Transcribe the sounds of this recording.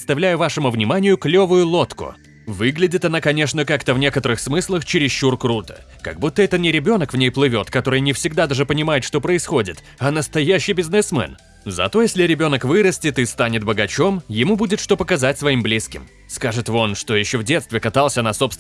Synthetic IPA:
ɪt̪st̪ɐvlʲæjʊvaʂɨmʊvnʲɪmanʲɪjʊklʲo̞vʊjʊlˠo̞t̪kʊ̰ | vɨɡlʲɪdʲɪt̪ɐnakɐnʲe̞ʂnəkakt̪əvnʲekət̪əɾɨxsmɨslˠəxt͡ɕɪɾʲɪsɕːurkɾut̪ə̥̰ | kɐɡbut̪ːəɛt̪ət̪nʲɪɾʲɪbʲo̞nəkvnʲejplˠɨvʲo̞t̪kɐt̪o̞ɾɨjnʲɪfsʲɪɡd̪ad̪aʐɨpənʲɪmajɪt̪ʂt̪o̞pɾəɪsxo̞dʲɪt̪ | ɐnəst̪ɐjæɕːɪjbʲɪznɨsmɛ̰n | zɐ̰t̪o̞jesʲlʲɪɾʲɪbʲo̞nəkvɨɾəsʲtʲɪt̪ɨst̪anʲɪt̪̚bəɡɐt͡ɕo̞mjɪmubudʲɪt̪ʂt̪o̞pəkɐzatʲsvɐimblʲiskʲɪm | skaʐɨt̪vo̞nʂt̪o̞jɪɕːovdʲe̞t̪st̪vʲɪkɐt̪alˠsʲənɐso̞pst̪

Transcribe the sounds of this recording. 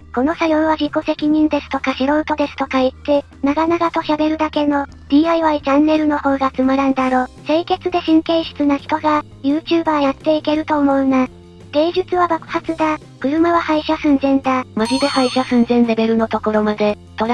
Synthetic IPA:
ko̞no̞sajo̞ːβaʑiko̞se̞kʲiɲ̟ĩnd̪e̞sɨ̥t̪o̞kaɕiɾo̞ɯ̟t̪o̞d̪e̞sɨ̥t̪o̞kait̪ːe̞ | naɡanaɡat̪o̞ɕabe̞ɾɯ̟d̪ake̞no̞ | d̪̥ʲiːaiβait͡ɕãnːe̞ɾɯ̟no̞ho̞ːɡaːt͡sɨmaɾãnd̪aɾo̞ːse̞ːke̞t͡sɨd̪e̞ɕĩŋke̞ːɕi̥t͡sɨnaçi̥t̪o̞ɡa | jɯ̟ːt͡ɕɨːbaːjat̪ːe̞ike̞ɾɯ̟t̪o̞ːmo̞ɯ̟na | ɡ̪̥e̞ːʑɨt͡sɨβabakɯ̟̥hat͡sɨd̪a | kɯ̟ɾɯ̟maβahaiɕasɨ̃nzẽ̞nd̪amaʑid̪e̞haiɕasɯ̃nzẽ̞nɾe̞be̞ɾɯ̟no̞t̪o̞ko̞ɾo̞mad̪e̞ | t̪o̞ɾa

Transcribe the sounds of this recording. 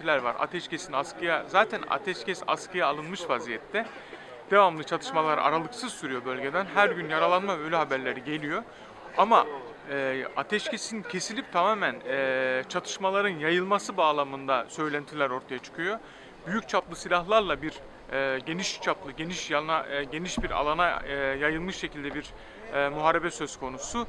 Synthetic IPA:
ilʲæɾva̰ɾa̰t̪ʰɛʃcesinaskɯjazaːt̪ʰæna̰t̪ʰɛʃcʰɛsa̰skʰɯjaːlˠɯnmɯʃfazijɛt̪ʰːɛ | d̪̥e̞vamlˠɯt͡ʃʰat̪ʰɯ̥ʃmalˠaɾ̰a̰ɾalˠɯksɯzsyɾyjo̞bø̞lʲɟe̞d̪ænɦæɾɟynjaɾalˠanmabøjlʲɛɦabæɾlʲe̞ɾiɟe̞lʲijo̞ | ama | ɛːat̪ʰɛʃcʰesincʰe̞silʲip̚t̪ʰamaːmænːt͡ʃʰat̪ʰɯ̥ʃmalˠaɾɯnjajɯlˠmasɯbaːlˠamɯnd̪asø̞jlʲænt̪ʰilʲæɾo̞ɾt̪ʰajat͡ʃʰɯ̥kʰɯjo̞ | byjyc̚t͡ʃʰaplˠɯsilʲahlˠaɾlˠabiɾ | ɟe̞niʃt͡ʃʰaplˠɯɟe̞niʃjanaɟe̞niʃbiɾa̰lˠanajajɯlˠmɯʃʃːe̞cʰilʲd̪ɛbiɾ | muɦaːɾe̞bɛsø̞z̥kʰo̞nusu

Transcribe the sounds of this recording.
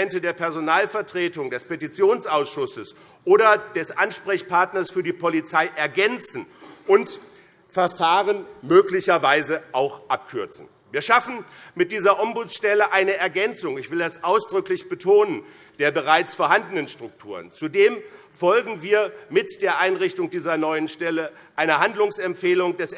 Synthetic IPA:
ɛntədeːɐpɛɐzonaːlfɛɐtʁ̥eːtʊŋdɛspetit͡sjoːnsʔaʊsʃʊsəs | ʔoːɾɐd̥ɛsʔanʃpʁ̥ɛçpʰaɐtnɐsfyːɐdiːpʰolit͡saɪʔɛɐɡɛnt͡sn̩ʔʊnt | fɛɐfaːʁənmøːklɪçɐvaɪzəʔaʊxʔap̚kʰʏɐt͡sn̩ | viːɐʃafn̩mɪt̚d̥iːzɐʔɔmbut͡sʃtɛləʔaɪnəɛɐɡɛnt͡sʊŋɪçv̥ɪldasʔaʊsd̥ʁʏklɪçb̥ətʰoːnən | d̥eːɐbəʁaɪt͡sfoːɐɦandənənʃtʁ̥ʊk̚tʰuːʁə̰nt͡sudeːm | fɔlɡŋ̩viːɐmɪtd̥eːɐʔaɪnʁɪçtʊŋdiːzɐnɔʏənʃtɛlə | ʔaɪnɐhandlʊŋsɛmpfeːlʊŋdɛs

